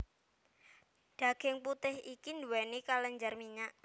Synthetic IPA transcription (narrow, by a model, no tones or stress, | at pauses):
ɖ̥a̤ɡ̥ɪŋput̪ɪhikinduwɛnikaləɲd͡ʒarmiɲaʔ